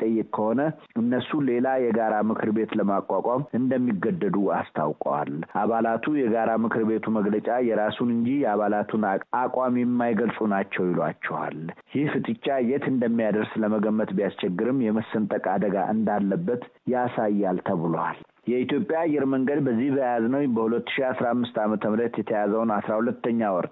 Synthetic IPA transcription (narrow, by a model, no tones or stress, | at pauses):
t̪ʼəjːɨkʼkʰːəho̞nə | ɨnːəsule̞lajɛɡaɾamɨkʰɨɾbe̞t̪ləmakʼːakʼamɨnd̪əmːiɡːəd̪ːəd̪uast̪ʰa̰wkʼwa̰lʔaβalat̪ʰujɛɡaɾamɨkʰɨɾbe̞t̪ʰuməɡlət͡ʃʼajɛɾasunɨnd͡ʒijɛaβalat̪ʰunakʼwamjɛmːajɡəlsʼunat͡ʃːɛwjɪlwat͡ʃːɛwa̰ljihfɨt̪ʼɨt͡ʃʼːajɛt̪ʰɨnd̪əmːijad̪əɾsləməɡəmːət̪bijast͡ʃɛɡːɨɾɨmːjɛməsːənt̪ʼəkʼad̪əɡa̰ʔɨnd̪alːəbːət̪jasajːalt̪ʰəβɨlowa̰l | jɛit̪ʰjo̞pʼːjaːjːɛɾməŋɡəd̪bəzːihbəjaaznəwbəhulət̪ːɨ̥ʃiasɾaamːɨst̪amət̪ʰəmɾət̪jɛt̪ʰəjazəwnasɾahulət̪ːəɲːawɔɾt̪